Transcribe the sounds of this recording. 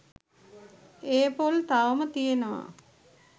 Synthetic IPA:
eːpolt̪aʋəmət̪ijenəʋa̰

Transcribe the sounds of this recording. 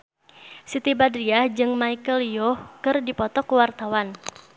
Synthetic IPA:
sit̪ibadɾiad͡ʒɨŋmaikəljɔhkɨrdipɔt̪ɔkəwart̪awan

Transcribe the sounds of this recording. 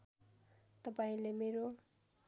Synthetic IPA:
t̪ʌpaĩlemeɾo

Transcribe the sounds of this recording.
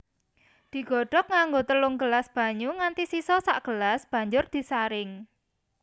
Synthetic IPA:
d̪̥i̤ɡ̥ɔ̤ɖ̥ɔ̤k̚ŋaŋɡot̪əlʊŋɡəlasb̥ä̤ɲuŋant̪isisɔsa̰ʔɡ̥əlasb̥a̤ɲd͡ʒʊrd̪̥i̤saɾɪŋ

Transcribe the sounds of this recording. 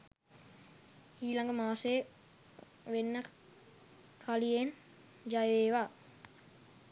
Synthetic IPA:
iːlaŋɡəmaːse | ʋenːə | kʰalijen | d͡ʒajʋeːʋaː

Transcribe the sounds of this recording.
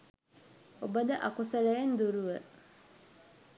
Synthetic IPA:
ɔbadaʔakʊsaɾɛn̩doɾuwɛ

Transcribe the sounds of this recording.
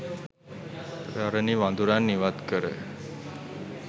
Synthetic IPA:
ɾaɾəniʋãnd̪ʱuɾanːiʋad̪kəɾḛ

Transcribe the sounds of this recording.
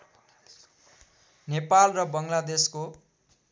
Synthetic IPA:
nepalrʌbʌŋlad̪esko

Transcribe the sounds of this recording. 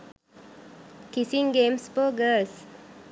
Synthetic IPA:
kisiŋɡeːmspoːɡəls

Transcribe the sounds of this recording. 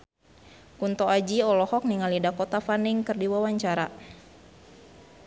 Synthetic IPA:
kunt̪ɔad͡ʒiɔlɔhɔk̚niŋalidakɔt̪afaniŋkɨrdiwawaɲt͡ʃaɾa

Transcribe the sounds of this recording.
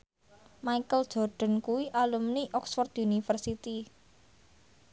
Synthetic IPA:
maikəld̥ʒ̥ɔ̤rɖ̥ɔ̤nkuwiʔalumniʔɔksfɔrt̪unifərsit̪i

